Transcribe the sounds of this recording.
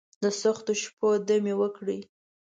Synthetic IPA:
d̪əsaxt̪oʃpod̪əmewəkɽi

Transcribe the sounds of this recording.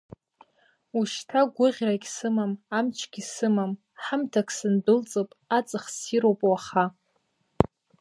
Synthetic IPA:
uʃtʰaɡʷʊʁʲrakʲsɨmamamt͡ʃʰɡʲisɨmam | ħamtʰakʰʼsɨndɨlt͡sʼopʼat͡sʼɨχsiɾowpʼwaχa

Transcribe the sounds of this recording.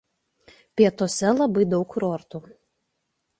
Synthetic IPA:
pʲiɛt̪oːsʲɛlˠɐbɐɪd̪ɒʊkɾɔɾt̪uː

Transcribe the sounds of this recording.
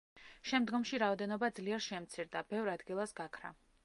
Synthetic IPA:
ʃɛmd̪ɡɔmʃiɾaɔd̪ɛnɔbad̪zliɛɾʃɛmt̪sʰiɾd̪abɛvɾad̪ɡilˠasɡakʰɾa̰

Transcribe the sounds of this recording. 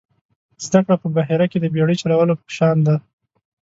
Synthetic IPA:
z̥d̪akɽapəbaɦeɾaked̪əbeɽit͡ʃalawəlopə̥ʃɑnd̪a

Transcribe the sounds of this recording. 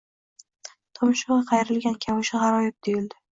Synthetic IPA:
t̪ʰɒmɪʃʊɑqʰɑjɾɪlɡʲankʲʰamʊʃɪʁɑɾɒjɪb̚d̪ojɪld̪ɪ

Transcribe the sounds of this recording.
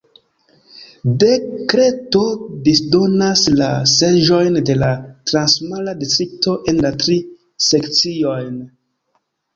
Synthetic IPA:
de̞kɾe̞to̞disdo̞naslase̞ʒo̞jnde̞latɾansmaladitɾik̚to̞ʔe̞nlatɾi | se̞kt͡sio̞jn

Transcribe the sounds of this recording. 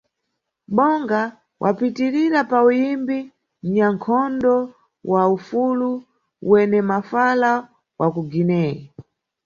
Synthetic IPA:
ɓɔŋɡa | wʔa̰pitiɾiɾapaujimbi | m̩ɲaŋkʰɔndɔ | wʔaufulu | ṵwɛnɛmafala | wʔakuɡinɛːji

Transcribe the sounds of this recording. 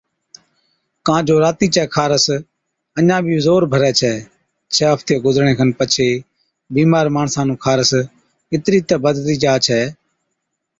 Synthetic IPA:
kãːd͡ʒoːɾaːt̪iːt͡ʃɛːkʰaːɾəs | ənãːbʱiːzoːɾbʱəɾɛːt͡ʃʰɛː | t͡ʃʰɛːɦəpt̪eːɡʊzəɾɳẽːkʰənpət͡ʃʰeː | biːmaːɾmaːɳsãːnũːkʰaːɾəs | ɪt̪ɾiːt̪ɛːbəd̪tiːd͡ʒaːt͡ʃʰɛː

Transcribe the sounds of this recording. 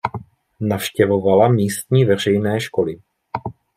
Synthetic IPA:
nafʃcɛvo̞valamiːst̪ɲiːvɛr̝ɛjnɛːʃko̞lɪ

